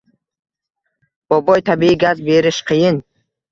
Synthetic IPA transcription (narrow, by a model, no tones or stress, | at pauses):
b̥ɔbɔjt̪ʰabiiɡazbeɾiʃqijin